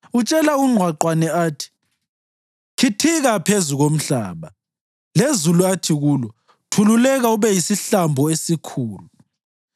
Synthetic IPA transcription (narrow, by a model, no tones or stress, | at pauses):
ut͡ʃʼɛlauŋ͡ǀʱwaǃwanɛaːtʰi̥ | kʰitʰiɣapʰezuɣom̩ɬa̰ːβa | lezuluatʰiɣuːlɔ | tʰululɛɣauβɛjisiɬambʱɔesikʰuːlu